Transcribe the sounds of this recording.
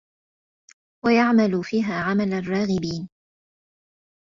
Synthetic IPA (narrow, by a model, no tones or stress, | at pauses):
wajaʕmalʊfiːɦaːʕamalarˤːɑːɣɪbiːn